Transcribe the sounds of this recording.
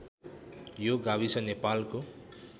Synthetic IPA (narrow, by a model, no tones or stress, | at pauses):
joɡabit͡sʰʌnepalko